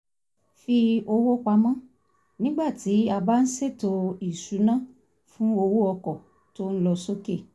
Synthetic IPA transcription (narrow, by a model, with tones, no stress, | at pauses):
fi˧o˧wo˦k͡pa˧mã˦ | nĩ˦ɡ͡ba˦˨ti˨˦a˧ba˦n̩˦se˦˨to˧i˨su˨˦nã˦ | fũ˦o˧wo˦ɔ˧kɔ˨ | to˦n̩˦lɔ˧so˦ke˦˨